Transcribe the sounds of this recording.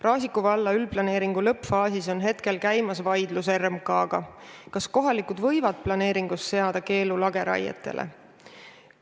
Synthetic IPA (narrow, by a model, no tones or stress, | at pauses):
rɑːsikˑuvɑlːɑylplɑne̞ːɾiŋɡ̥ulɤpːfɑːsiso̞nɦe̞t̪ke̞lkæjmɑsvɑjd̪luse̞rmkɑːɡ̥ɑkɑsko̞ɦɑlikud̪vɤjvɑd̪̥̚plɑne̞ːɾiŋɡ̥usːe̞ɑd̪̥ɑke̞ːlulɑɡe̞ɾɑ̰jɑ̰t̪ːˑe̞̰lʔḛ